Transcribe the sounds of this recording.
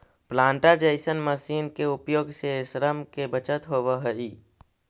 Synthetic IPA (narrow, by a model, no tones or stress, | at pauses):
plãːɳʈad͡ʒəɪsənməsiːnkeʊpjoːɡsesɾəmkebət͡ʃət̪ɦoːbəɦəiː